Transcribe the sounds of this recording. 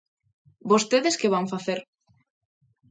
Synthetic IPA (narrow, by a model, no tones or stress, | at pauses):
bost̪eðeskeβaŋfaθeɾ